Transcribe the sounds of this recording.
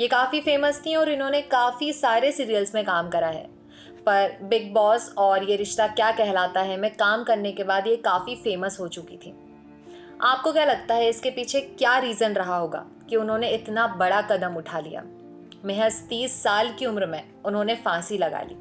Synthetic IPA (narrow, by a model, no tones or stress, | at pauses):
jekaːfifeːməst̪ʰĩɔːɾɪnɦõːnekaːfisaːɾesiːɾijəlzmẽkaːmkɐɾaɦɛ̰ː | pɐɾbɪɡ̚bɔːsɔːɾjeɾɪʃt̪akjaːkɛɦlaːt̪aɦɛmɛ̃ːkaːmkɐɾnekebaːd̪jekaːfifeːməsɦot͡ʃʊkit̪ʰḭː | aːp̚kokjalɐɡ̚t̪aɦɛɪskepiːt͡ʃʰekjaːɾiːzənɾɐɦaɦoːɡa̰ː | kiʊnɦõːneɪt̪nabɐɽakɐd̪əmʊʈʰalḭja̰ː | mɛɦəzt̪iːsːaːlkiʊmɾmẽ | ʊnɦõːnefãːsilɐɡa̰ːlḭː